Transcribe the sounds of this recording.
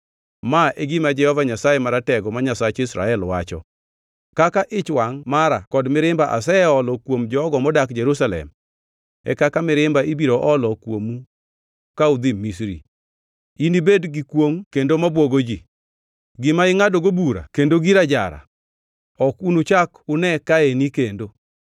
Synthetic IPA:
maʔeɡɪmad͡ʒɛhɔvaɲasajɛmaɾatɛɡɔmaɲasat͡ʃɪsɾa̰ɛlwa̰t͡ʃɔ̰ | kakaʔɪt͡ʃwaŋmaɾakɔdmɪɾɪmbaʔa̰s̬ɛɛɔlɔkwomd͡ʒɔːɡɔmɔdakd͡ʒeɾusalɛ̰m | ɛ̰kakamɪɾɪmbaibiɾoʔɔlɔkwomu | kaʊd̪imisɾḭ | inibedɡɪkwoŋkendomabwoɡod͡ʒi | ɡɪmaɪŋadoɡobuɾa̰kendoɡiɾad͡ʒa̰ɾa̰ | ɔkunut͡ʃakʊnɛkaenikendo

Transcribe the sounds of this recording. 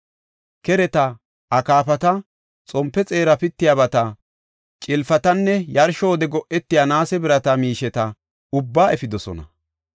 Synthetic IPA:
kɛɾɛt̪ɐ | ʔɐkaːpɐt̪ɐ | t͡sʼɔmpːɛt͡sʼe̞ːɾɐpɪt̪ːɪjaːbɐt̪ɐ | t͡ʃʼɪlfɐt̪ɐnːɛjɐɾʃoːd̪ɛɡɔʔɛt̪ːɪjanaːsɛbɪɾɐt̪ɐmiːʃɛt̪ɐ | ʊbːaːɛfɪd̪ɔsɔ̰nɐ̰

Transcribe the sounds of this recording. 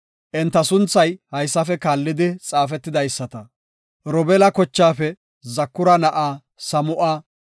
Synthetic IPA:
ʔɛnt̪ːɐsʊnt͡sːɐjhɐjsːɐfɛkaːlːɪd̪ɪt͡sʼaːfɛt̪ːɪd̪ɐjsːɐt̪ɐ | ɾɔbɛlɐkɔt͡ʃːaːfɛ | zɐkːʊɾɐnɐʔaː | sɐmʊʔaː

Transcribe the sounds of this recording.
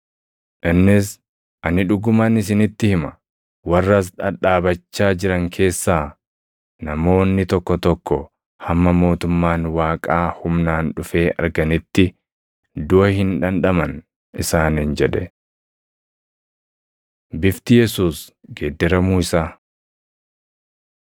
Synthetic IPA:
ʔɪnːɪs | ʔɐnɪᶑʊɡʊmanɪs̬ɪnɪt̪ːɪhɪmɐ | wɐrːɐs̬ᶑɐᶑaːbɐt͡ʃːaːd͡ʒɪɾɐŋkʰe̞ːsːaː | nɐmo̞ːnːɪt̪ɔkːɔt̪ɔkːɔ | hɐmːɐmo̞ːt̪ʊmːaːnwaːkʼaːhʊmnaːnᶑʊfe̞ːʔɐ̰ɾɡɐnɪt̪ːɪ | d̪ʊɐhɪnᶑɐnᶑɐmɐn | ɪsaːnind͡ʒɛᶑɛ | bɪft̪ɪjɛsuːsɡeːd̪ːɛɾɐmuːɪsaː

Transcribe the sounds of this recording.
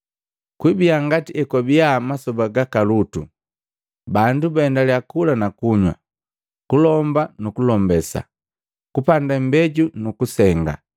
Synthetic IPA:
kwibiaŋɡatiʔɛkɔbiamasɔbaɡakalutu | bandubaɛndaliakulanakuɲwa̰ | kulɔmbanukulɔmbɛsa̰ | kupandam̩bɛɟunukusɛŋɡa̰

